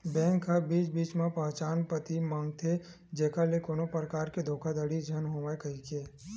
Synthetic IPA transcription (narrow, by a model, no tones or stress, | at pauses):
bɛ̃ːŋkabiːt͡ʃbiːt͡ʃmãpəɦt͡ʃaːnpət̪imãːŋɡt̪ʰe | d͡ʒeːkalekoːnopɾəkaːɾked̪ʱoːkʰad̪əɽid͡ʒʱənɦoːʋaekəikeː